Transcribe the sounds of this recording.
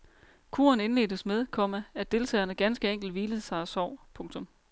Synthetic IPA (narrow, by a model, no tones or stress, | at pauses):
kʰṵːɐne̝nle̝̰ːd̥əsmeð̞ˠkʰɒ̽mææd̥e̝lt͡sʰɛ̰ːɐnəɡ̥ænsɡ̥əeŋ̰ɡ̥l̩dʋiːləð̩ˠsɑ̈ɪæsɒʊ̰pʰɔ̽ŋt͡sʰɔ̽m